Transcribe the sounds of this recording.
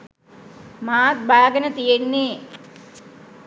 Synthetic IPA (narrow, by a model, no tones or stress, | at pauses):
maːt̪̚baːɡənət̪ijenːe